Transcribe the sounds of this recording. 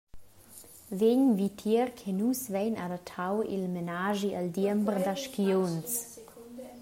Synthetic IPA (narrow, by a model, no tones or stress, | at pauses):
veɲvitʰiəɾkʰɛnusvɛjnadatʰawḭlmenaːʒiʔaldiəmbrdaʃkions